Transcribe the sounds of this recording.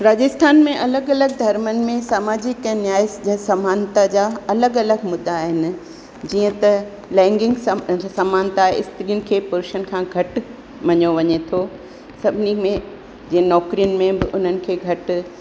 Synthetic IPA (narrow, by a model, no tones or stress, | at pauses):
ɾaːd͡ʑɪst̪ʰaːnmẽʔɐləɡɐləɡ̚d̪ʱɐɾmənɪ̆mẽsaːmaːd͡ʑɪkənjaːjsd͡ʑɐsɐmaːnt̪ad͡ʑaːɐləɡɐləɡmʊd̪ːaːɦɪnɪ̆ | d͡ʑiːə̃t̪ɐ | lɛ̃ːŋɡɪ̃ŋɡsɐmaːnt̪aːɦeɪst̪ɾiənɪ̆kʰeːpʊɾuʃən̆kʰãːɡʱɐʈ | ʋɐɲoʋɐɲet̪ʰo | sɐbʱnimẽ | d͡ʑĩːə̃nɔːkɾijənɪ̆mẽbɪʔʊn̤ənɪ̆kʰeːɡʱɐʈ̆